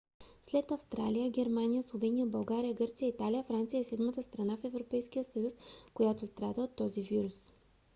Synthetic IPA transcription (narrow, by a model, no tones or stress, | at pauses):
slɛt̪ɐfst̪ɾalijəɡʲɛɾmanijəslˠovɛnʲijəbɐlˠɡaɾijəɡɤɾt̪sijəit̪alijəfɾant̪sijəɛsɛd̪mət̪əst̪ɾɐnafɛvɾopɛjskijəsəjuskojat̪ost̪ɾad̪əot̪ːɔziviɾus